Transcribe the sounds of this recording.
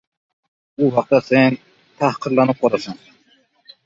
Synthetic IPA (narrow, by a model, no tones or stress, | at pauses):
uwɑq̚t̪ɑsen | t̪ʰæhqʰəɾlˠɑnɨp̚qʰɑɾɑsɑŋ